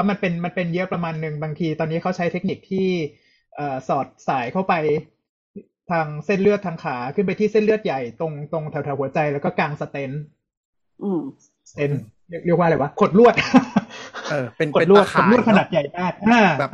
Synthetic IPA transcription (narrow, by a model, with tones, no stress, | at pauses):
wa˦˥ma˧npe˧nma˧npe˧njɤ˦˥ʔpɾa˧maː˧nːɯ˨ŋbaː˧ŋt̪ʰiː˧t̪ɔː˧nːiː˦˥kʰa˦˥wt͡ɕʰa˦˥jt̪ʰe˦˥k̚ni˨˩k̚t̪ʰiː˥˩ | ʔɤː˨˩sɔː˨˩t̪̚saː˩˦jkʰa˥˩wpa˧j | t̪ʰaː˧ŋse˥˩nlɯ˥˩ət̪ʰaː˧ŋkʰaː˩˦kʰɯ˥˩npa˧jt̪ʰiː˥˩se˥nlɯ˥ət̪̚ja˨˩jt̪o˧ŋt̪o˧ŋt̪ʰɛ˨˩˦wt̪ʰɛ˨˦whu˩˦ɐt͡ɕa˧jlɛː˦˥wkɔː˥˩kaː˧ŋsa˧t̪e˦˥n | ʔɯː˧˩˧ | t̪e˧˥n | li˥˩k̚ləkwaː˥˩la˨˩wa˦˥kʰo˨˩t̪̚lu˥˩ət̪̚ | nkʰo˨t̪̚lu˥˩ət̚ʰo˨˩lu˥˩ət̪̚kʰa˧naː˨˩t̪̚ja˨˩jdaː˥˩kʔʔaː˧˩˨